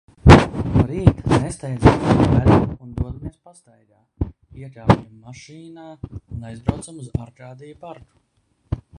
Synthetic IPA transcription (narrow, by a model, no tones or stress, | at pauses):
ɾiːt̪nest̪ɛjd̪zamd̪aluund̪uɔd̪umiɛspast̪ajɡaː | iɛklʲaːpɛmːaʃiːnaːunajzbɾawt̪samuzaɾkɾaːd̪ijpaɾku̥